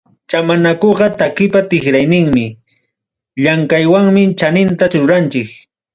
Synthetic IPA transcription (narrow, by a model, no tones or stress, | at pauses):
t͡ʃamanakoɢɑt̪akɪpat̪ɪxɾajnɪŋmɪ | ʎaŋkajwaŋmɪt͡ʃanɪnt̪aɾʊɾant͡ʃɪk